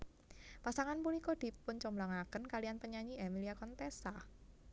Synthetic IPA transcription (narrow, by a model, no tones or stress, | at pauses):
pasaŋanpunikɔd̥i̤pʊnt͡ʃɔmblaŋakənkalianpəɲaɲiemiliakɔnt̪esa